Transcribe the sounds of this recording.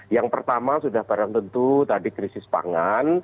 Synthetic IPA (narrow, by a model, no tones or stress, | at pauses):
jaŋpərt̪amasudahb̥aɾaŋt̪ənt̪ut̪adikɾisɪspa̰ŋan